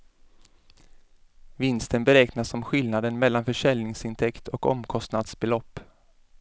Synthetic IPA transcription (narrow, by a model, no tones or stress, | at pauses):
vɪnst̪ənbɛɾɛːknasɔmɧɪlnad̪ənmɛlːanfœʂɛlnɪŋsɪnt̪ʰɛkt̪ʰɔkɔ̰mkʰɔst̪nad̪sbɛlɔpː